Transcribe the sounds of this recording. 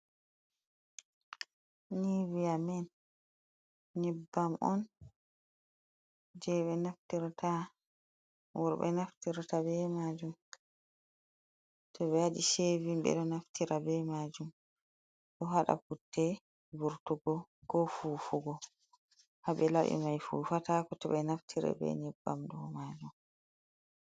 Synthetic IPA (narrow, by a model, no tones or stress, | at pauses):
niwijamɛn | ɲibːamʔɔ̰n | d͡ʒɛɓɛnaftiɾta | wɔ̰ɾɓɛ̰naftiɾtabɛmad͡ʒum | tɔɓɛaɗiʃevimbɛ̰ɗɔnaftʰiɾabɛmad͡ʒum | ɗɔɦaɗa̰kutːɛ | buɾtuɡɔɡɔfufuɡɔ | habɛlawḭmajfuːfatakɔtɔɓɛnaftʰiɾɛ̰bɛ̰ɲɛbːa̰mdɔwmad͡ʒum